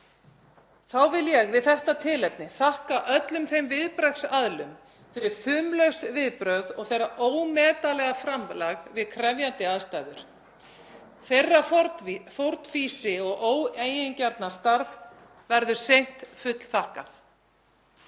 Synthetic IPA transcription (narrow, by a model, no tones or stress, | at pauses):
θawvɪljɛɣvɪðθɛht̪at̪ʰɪlɛp̚nɪθahkaʔœt̪lʏmθejmvɪðpɾajksaðlʏm | fɪɾɪɾ̥fʏːmlœsvɪðpɾœɣðɔɣθejɾːaʔoːwmɛːt̪alɛɣafɾamlaɣvɪðkʰɾɛvjant̪ɪaðst̪aːjðʏɾ̥ | θejrːaffowɾt̪fiːsɪɔɣʔoːweːjɪncaɾt̪nast̪aɾv | vɛɾðʏ̥sejn̥t̪fʏt̪l̥θahka